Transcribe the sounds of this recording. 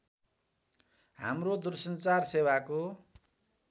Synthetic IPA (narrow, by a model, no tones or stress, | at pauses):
ɦa̰mrod̪ursʌnt͡sarsebako